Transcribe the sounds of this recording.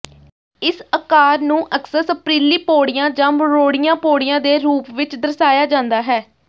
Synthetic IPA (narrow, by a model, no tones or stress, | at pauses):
ɪsəkaːɾnũːʔəksəsəpɾiːliːpoːɽɪjãːd͡ʒə̃mɾoːɽɪjãːpoːɽijãːd̪eːɾuːpʋɪt͡ʃd̪əɾsaːjaːd͡ʒãːnd̪aːɦɛː